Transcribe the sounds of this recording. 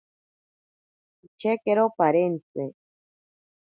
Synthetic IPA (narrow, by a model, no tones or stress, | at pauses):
it͡ʃʰekeɾopaɾent̪e